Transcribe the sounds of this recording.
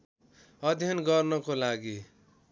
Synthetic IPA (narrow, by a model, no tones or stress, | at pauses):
ʌd̪ʱjʌnɡʌrnʌkolaɡi